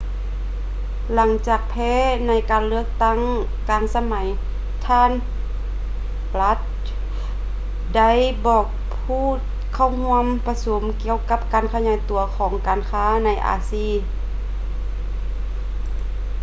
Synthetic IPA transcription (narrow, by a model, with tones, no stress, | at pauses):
la˨˩˦ŋt͡ɕaː˨˩k̚pʰɛː˧˥na˧˥jkaː˨nlɯ˥˩ək̚t̪a˥˩˨ŋ | kaː˨nsa˧ma˨˦j | t̪ʰaː˧˥˨n | pla˧˦˥t̪̚ | da˥˩˨jbɔː˨˩k̚ | pʰuː˧˥˩t̪̚kʰa˧˩˨whu˧əmpa˧so˨˦mki˧əwka˧˥p̚kaː˨˩nkʰa˧ɲaː˨˥˦jt̪u˨˩˦ɐkʰɔː˨˦ŋkaː˨nkʰaː˧˥na˧˥˩jʔa̰ː˨˦siː˧˩˨